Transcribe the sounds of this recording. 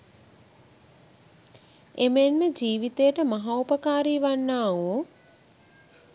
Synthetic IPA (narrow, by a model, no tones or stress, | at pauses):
emənməd͡ʒiːʋit̪ejəʈəmaɦaupəkaːɾiːʋanːaːoː